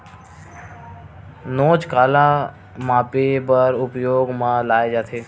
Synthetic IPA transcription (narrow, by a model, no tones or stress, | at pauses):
noːt͡ʃkaːla | maːpebəɾʊpjoːɡmãlaːed͡ʒaːt̪ʰeː